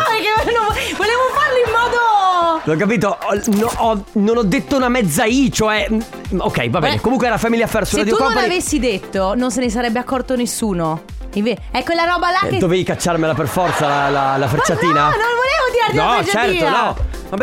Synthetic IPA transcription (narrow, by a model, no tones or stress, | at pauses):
ekːenõvoleːvofarliimːɔːd̪oɔk̬ːap̬iːt̪onɔnonɔd̪ːet̪ːounamɛd̪zːait͡ʃoɛ | okːɛ̰jvabɛːnḛkomuŋkweɛɾafɛmiliafɛrsusad̪iukɔnonpavesːid̪et̪ːonons̬enesaɾɛbːeakːɔrt̪onesːuːno | iɱveɛkːwelːaɾɔːbalad̪oveikat͡ʃːarmelaperfɔrt̪salalalafeɾt͡ʃːaiːnanonvolevod̪iaɾd̪nɔd͡ʒt͡ʃɛrtit̪ːoanɔ | mabɛ